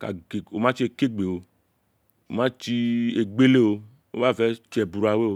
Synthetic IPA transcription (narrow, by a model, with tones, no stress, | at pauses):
ka̰˨ɡe˨o˨mã˦t͡ʃi˦e˧˨ke˦ɡ͡be˨wo˨ | o˨mã˦t͡ʃi˧e˨ɡ͡be˦le˦˨wo˧ | o̰˦ba˦˨vɛ˦t͡ʃɛ˨bu˨ɾa˨we˦o˨˦